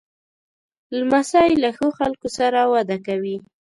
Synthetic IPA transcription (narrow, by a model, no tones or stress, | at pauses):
lmasɑjlaxoxalkosaɾawad̪akawi